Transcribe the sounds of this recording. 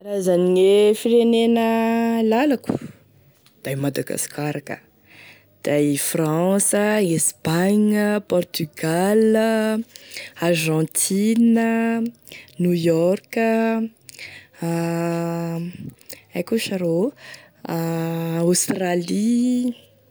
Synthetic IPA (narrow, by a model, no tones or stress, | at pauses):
razaniŋefiɾenenəlalaku̥ | d̪̥ajmad̪aɡa̰skaɾakə̰ | d̪̥ajfrɑ̃səespaɲəpɔrt̪yɡal | arʒɑ̃t̪ʰinə | nujɔrkə | ajkuʃaɾo | ost̪rali